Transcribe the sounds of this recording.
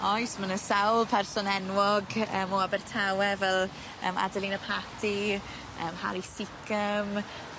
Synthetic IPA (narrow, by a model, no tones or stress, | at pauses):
ɔjsmənəsawlˠpʰɛrsɔnɛnwɔɡəːmoabɛrtʰawɛvɛlˠ | ə̰ːma̰dəlinəpʰatʰi | əːmha̰lisɪkʰəm